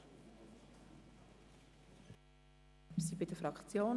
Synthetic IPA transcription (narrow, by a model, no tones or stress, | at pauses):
sibidəfɾɑkt͡sjoːn